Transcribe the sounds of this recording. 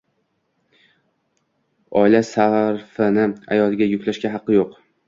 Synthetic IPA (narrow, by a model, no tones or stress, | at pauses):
ɒɪlasaɾfɪnɪa̰jɒlˠɪɡʲajʊkʲlaʃkʲaɦɑqːɨjoq